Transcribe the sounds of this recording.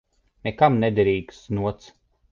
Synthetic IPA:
nekamnɛd̪ɛɾiːksnuɔt̪s

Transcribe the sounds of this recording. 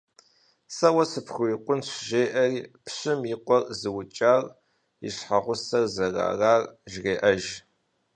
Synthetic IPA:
sɐwɐsɨpxʊɪqʷʊnɕʷʒeːʔɐriːpʰɕɪmjɪqʷɔrzɨwʊt͡ʃʼaːr | ḭɕħaʁʷʊsɐrzɐra̰ːraːrʒreːʔɐʒ

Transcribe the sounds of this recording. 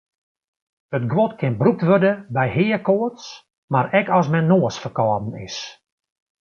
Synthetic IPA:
ətɡwɔtkʰɪnbrup̚tʋødəbɛjɦɪːəkoəts | maɾɛkɔsmɛnːoəsfərkɔːdn̩ɪ̰s

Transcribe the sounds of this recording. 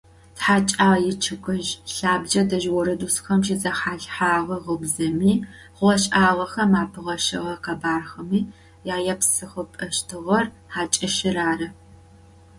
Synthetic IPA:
tħaːt͡ʃʼaːjɪt͡ʃʰɨkʼɨʒɬaːbd͡ʒɐdɐʒwɔɾɐdusxɐmʃizɐħaːɬħaːʁɐʁəbzɐmiː | ʁʷɔɕʼaːʁɐxɐmaːpʰɨʁɐʃɐ̰ʁɐqabaːrxɐmiː | jaːjɐpsɨχəpʼɐʃtʰɨʁɐr | aːt͡ʃʼɐʃɪraːrɐ

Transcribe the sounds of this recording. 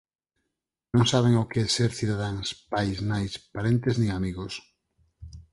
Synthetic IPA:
nõŋsaβeŋokeɛseɾθiðaðaŋspajznajspaɾent̪eznĩŋamiɣos

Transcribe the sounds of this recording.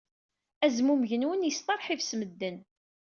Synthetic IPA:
æzmuməʝənwənjəst̪ˤɑɾˤħivsməd̪ːən

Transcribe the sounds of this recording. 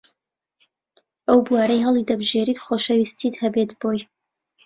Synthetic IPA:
ʔɐwbuaːɾɐjɦɐlˠid̪ɐbʒeɾiːt̪χoːʃɐwiːst̪ʰiːt̪hɐbet̪b̥oːj

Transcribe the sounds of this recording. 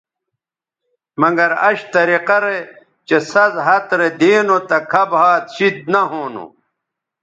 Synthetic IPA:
mɐŋɡɐɾɐɕt̪ɐɾiqɐɾe | t͡ɕesɐzɦɐt̪ɾed̪eːnot̪ɐkʰɐbhaːt̪ɕid̪̚nɐɦoːno̰

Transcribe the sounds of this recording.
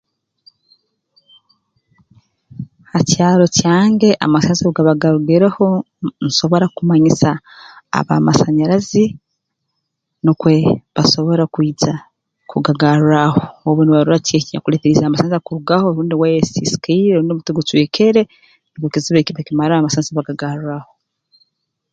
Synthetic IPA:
hacaːɾo̞caːŋɡe̞ʔa̰maseɲzauɡaβaɡaɾuɡeɾeho̞ | nso̞βo̞ɾakumaɲisa̰ː | βa̰masaɲaɾazi | nukwe̞βaso̞βo̞ɾakwiːza | kuɡaɡaɾuɾaho̞oβoniβaɾuɾaceɲakuleːteɾizamasanzakuɾuɡahoɾuːndiwajesisi̥kaiɾeuːndiomuteɡutwekeɾe | nikokiziβekiβakimaɾaaamasaːnsiβaɡaɡaɾuɾaho

